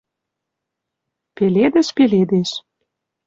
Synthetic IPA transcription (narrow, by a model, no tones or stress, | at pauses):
peled̪ɘ̆ʃpeled̪eʃ